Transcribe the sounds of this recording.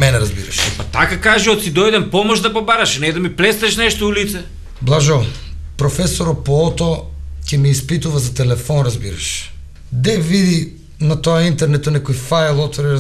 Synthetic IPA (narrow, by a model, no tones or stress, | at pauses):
mɛnɛɾazbḭɾa̰ʃɛpat̪akakaʒiɔt̪sid̪ɔjd̪ɛmpɔmoʒd̪apobaɾaʃnɛd̪amiplɛst̪ɛʃnɛʃt̪oulit̪sɛ | blˠaʒopɾɔfɛsoɾɔpoɔt̪ɔcɛmiːspit̪uvazat̪ɛlɛfɔnɾazbiɾa̰ʃ | d̪ɛvid̪i | nat̪ɔaint̪ɛɾnɛt̪onɛkojfajlˠɔt̪vɔɾiɾ